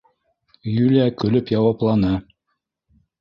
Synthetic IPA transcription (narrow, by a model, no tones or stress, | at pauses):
jʉlækɵ̆lɵpjɑwɑplˠɑnɤ